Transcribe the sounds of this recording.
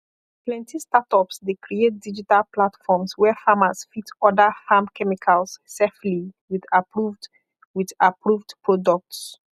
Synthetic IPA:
plɛ̃ntistatɔpsdekɹiet̚did͡ʒitalplatfɔmswɛfamasfitɔdafamkʰɛmikʰalssefliwiðapɹuvd | wiðapɹuvdpɹɔdɔk̚ts

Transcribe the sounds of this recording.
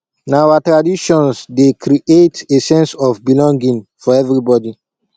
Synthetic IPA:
nawatɹadiʃɔ̃nsdekɾiʔetesɛ̃nsɔfbilɔ̃ŋɡĩnfɔɛvɹibɔdi

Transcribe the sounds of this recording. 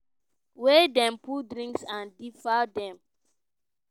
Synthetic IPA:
wedɛ̃mpudɾĩŋksãndifadɛ̃m

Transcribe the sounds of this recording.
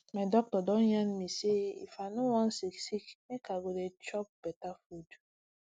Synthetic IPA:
madɔk̚tɔdɔnjanmiseḭfanowãnsiksiknekaɡodet͡ʃɔp̚b̥ɛtafud

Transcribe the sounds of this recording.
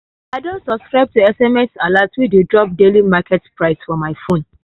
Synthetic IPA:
aɪdõsɔbskɹaɪb̚tuɛsɛmɛsalatwidudɹɔp̚delimakɛtpɹaɪsfɔmaɪfõn

